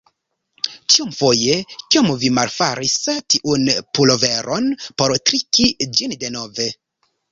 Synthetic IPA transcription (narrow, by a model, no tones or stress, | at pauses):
t͡ʃiumfo̞je̞kiomvimalfaɾistiʔunpulo̞ve̞ɾʔo̞npo̞ɾtɾikid͡ʒinde̞no̞ve̞